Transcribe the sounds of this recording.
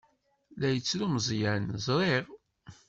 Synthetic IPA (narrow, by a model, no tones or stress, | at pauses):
læjət͡sːɾuməzˤjænzˤɾˤeʁ